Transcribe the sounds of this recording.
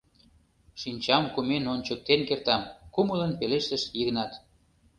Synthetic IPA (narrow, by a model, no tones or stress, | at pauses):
ʃinʲt͡ɕɑmkumenonʲt͡ɕək̚t̪enkert̪ɑmkumələnpeleʃt̪əʃjiɣnɑt̪